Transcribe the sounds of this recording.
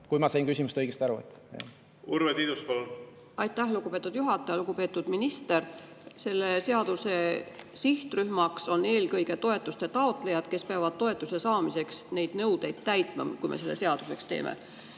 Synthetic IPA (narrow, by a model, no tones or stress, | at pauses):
kujmɑsɑjnkysʲimust̪ɤjɡ̥est̪ɑɾuḛt̪ːɑ̰ | uɾvet̪id̪uspol | ɑjt̪ːˑæhluɡupe̞ːt̪ːˑud̪̥juɦɑt̪ːˑɑjɑluɡ̥upe̞ːt̪ːˑud̪̥minist̪e̞r | se̞lːe̞se̞ɑd̪̥use̞siht̪ryhmɑkso̞nːe̞ːlkɤjɡe̞t̪o̞e̞t̪ːˑust̪e̞t̪ɑo̞t̪ˑlejɑd̪̥ke̞speɑvɑd̪̥̚t̪o̞e̞t̪ːˑuse̞sɑːmise̞ksne̞jd̪̥nɤwd̪̥e̞jd̪̥̚t̪æjt̪ˑmɑ̰mkujmḛse̞lːeseɑd̪̥use̞kst̪ḛːmʔḛ